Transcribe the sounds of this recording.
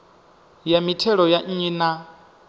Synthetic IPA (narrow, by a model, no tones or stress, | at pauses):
jamitʰɛɺɔjaɲ̩iːna